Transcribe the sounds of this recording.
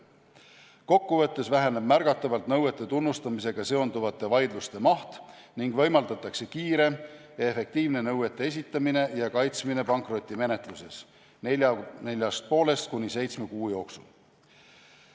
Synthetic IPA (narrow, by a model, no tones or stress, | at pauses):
ko̞kːuvɤ̞t̪ːe̞svæɦeneb̥mæɾɡ̥ɑt̪ːˑɑvɑlt̪nɤwet̪ˑːe̞t̪unːust̪ɑmise̞ɡ̥ɑse̞o̞nd̪uvɑt̪ːˑe̞vɑjd̪lust̪e̞mɑht̪ | niŋɡ̥vɤjmɑld̪ɑt̪ːˑɑkse̞kiːɾe̞ | efe̞k̚t̪iːvne̞nɤwet̪ːˑee̞s̬ʲit̪ːˑɑmine̞jɑkɑjt̪smine̞pɑŋkro̞t̪ʲːˑime̞ne̞t̪ˑluse̞s | eɑne̞lʲjɑst̪̚po̞ːle̞st̪kunʲise̞jt̪sme̞kuːjo̞ːksul